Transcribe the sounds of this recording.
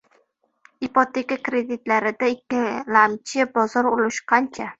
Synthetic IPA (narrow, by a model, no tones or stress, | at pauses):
ipot̪ʰe̞kʲakɾe̞d̪ɪt̪laɾɪd̪aɪkʲːɪlamt͡ʃʰɪbɒzɒɾolˠʊʃqʰɑnt͡ʃʰa